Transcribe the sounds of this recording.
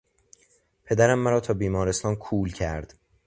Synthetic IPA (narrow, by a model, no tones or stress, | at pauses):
pʰe̞d̪æɾæmːæɾɒːt̪ʰɒːbiːmɒːɾest̪ɒːnkʰuːlcʰæɾd̪̥